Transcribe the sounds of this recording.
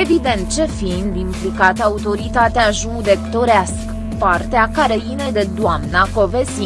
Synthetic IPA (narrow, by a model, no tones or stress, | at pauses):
evid̪e̞nt̪̚t͡ʃe̞find̪implikat̪əaut̪o̞ɾit̪at̪eaʒuŋd̪e̞kt̪o̞ɾeaskə | part̪eakaɾeined̪e̞d̪oamnako̞vesi